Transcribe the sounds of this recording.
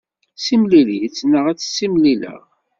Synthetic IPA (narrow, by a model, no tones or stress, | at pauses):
simlilit͡sːnəʁæt͡sːsːimlilə̰ʁ